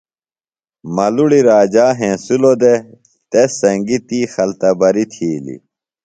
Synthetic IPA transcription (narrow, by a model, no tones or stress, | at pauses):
mɐluɽiɾaːd͡ʑaːɦẽːsulod̪e | t̪esɐŋɡit̪iːxɐlt̪ɐbɐɾit̪ʰiːlḭ